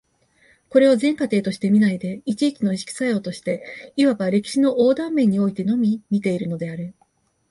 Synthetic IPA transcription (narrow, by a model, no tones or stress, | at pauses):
ko̞ɾe̞ozẽ̞ŋkat̪e̞ːt̪o̞ɕi̥t̪e̞mʲinaid̪e̞it͡ɕiːkʲino̞iɕi̥kʲi̥sajo̞ːt̪o̞ɕi̥t̪e̞iβaɡaɾe̞kʲi̥ɕino̞ʔoːd̪ãmːẽ̞ɲ̟ːio̞it̪e̞no̞mʲimʲit̪e̞iɾɯ̟no̞d̪e̞aɾɯ̟